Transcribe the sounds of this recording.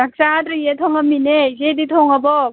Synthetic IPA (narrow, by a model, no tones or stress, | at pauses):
ak̚sat̪ɾijet̪ʰɔŋaminezedit̪ʰɔŋabɔ